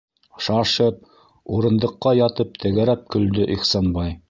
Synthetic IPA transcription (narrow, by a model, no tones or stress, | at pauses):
ʃɑʃɤp̚ | uɾɤ̆nd̪ɤ̆qːɑjɑt̪ɤp̚t̪ʰɘ̆ɡæɾæp̚kɵ̆ld̪ɵʔiχsɑnbɑj